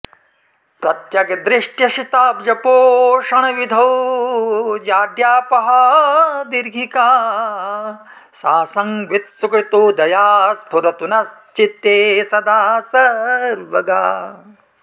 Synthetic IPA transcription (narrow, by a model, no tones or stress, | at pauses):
pɾɐt̪jɐɡed̪ɾɪʂʈjɐʃit̪aːbd͡ʒɐpoːʃɐɳ̃ɐʋid̪ʱɐw | jaːd̪jaːpɐɦɐd̪iɾɡʱikaː | saːsɐŋʋit̪sukɾit̪oːd̪ɐjaːspuɾɐt̪unɐst͡ʃit̪jeːsɐd̪aːsɐɾʋɐɡa̰ː